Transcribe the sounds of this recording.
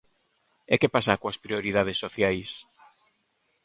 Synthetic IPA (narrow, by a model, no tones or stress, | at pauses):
ekepasakoɐspɾioɾiðað̞esːoθjajs